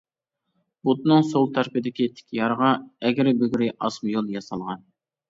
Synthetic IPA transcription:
but̪nɨŋsolˠt̪ʰɑɾpɪd̪ɪkʲit̪ʰɪ̥kʲjɑɾʁɑɛɡʲɪɾɪbøɡʲɾɪʔɑsmɨjolˠjɑsɑlˠʁɑn

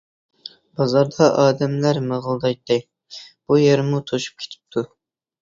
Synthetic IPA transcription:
b̥ɑzɑɾd̪ɑʔɑːd̪ɛmlæɾməʁəlˠd̪ɑjt̪ːɨ | b̥ujeɾmut̪ʰoʃu̥p̚kʰʲe̥t̪ʰɪ̥p̚t̪ʰu

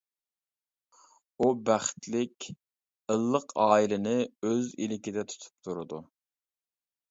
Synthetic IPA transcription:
ubæχt̪lɪkʲ | əlˠːəqʰɑːilɪnɪøzḭlɪkʲid̪ɛt̪ʰu̥t̪ʰu̥p̚t̪ʰuɾɨd̪u

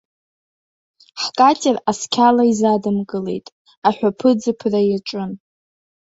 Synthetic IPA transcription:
ħkʼatʼeraskʲʰalaizadɨmkʼɨle̞̰jtʼ | aħʷᶣapʰɨd͡zɨpʰrajaʈ͡ʂʼʊn

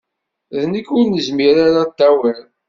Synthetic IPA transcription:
ðnikʊɾnəzmiɾaɾat̪ːæwəɾ

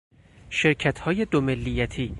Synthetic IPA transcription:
ʃe̞ɾcʰæt̪ʰhɒːje̞d̪omelːijæt̪ʰiː

